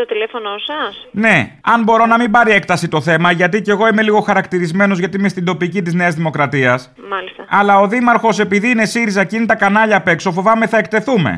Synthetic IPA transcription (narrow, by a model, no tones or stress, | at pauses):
t̪ot̪ilefo̞nosɐsne̞ɐnbo̞ɾo̞nɐmibɐɾie̞k̚t̪ɐsit̪o̞θe̞mɐʝɐt̪̬ice̞ɣo̞ime̞liɣo̞xɐɾɐkt̪iɾizme̞no̞zʝɐt̪iimest̪ind̪o̞picit̪izne̞ɐzðimo̞kɾɐt̪iɐs | mɐlist̪ɐɐlɐo̞ðimɐɾxo̞se̞piðiːne̞siɾizɐcinit̪ɐkɐnɐʎɐːpe̞kso̞fo̞vɐme̞θɐekt̪e̞θume̞̰